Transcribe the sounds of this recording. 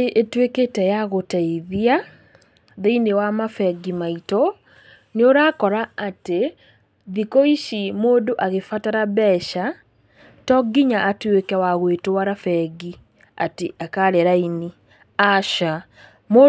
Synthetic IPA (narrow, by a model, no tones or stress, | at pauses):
eʔetweketɛjaɣotaiðia | ðeinewamafɛɡimaito | neoɾaːkɔɾaːte | ðikoiʃimoːdoʔaɣefataɾaβɛʃa | tɔɡiɲaʔatwekɛwaɣwetwaɾafɛɡi | a̰teʔakaɾeɾaini | aʃa | mo